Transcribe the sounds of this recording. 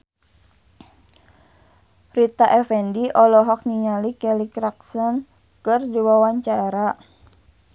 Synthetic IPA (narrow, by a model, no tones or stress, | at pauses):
rit̪aʔɛfɛndiʔɔlɔɦɔk̚niŋalikɛlikɾaksɔn | kɨrdiwawaɲt͡ʃaeɾa